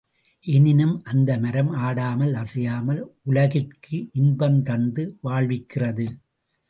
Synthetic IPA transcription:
ʔɛnɪnɯmʔɐnd̪ɐmɐɾɐmaːɽaːmɐlɐsɐjaːmɐlʊlɐɣɪrkʰɯʔɪnbɐmt̪ɐnd̪ɯʋaːɭʋɪkːɪrɐðɯ

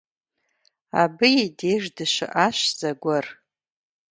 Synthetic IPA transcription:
a̰bɨjideʐdɨʃʷa̰ʔaʃzaɡʷʊr

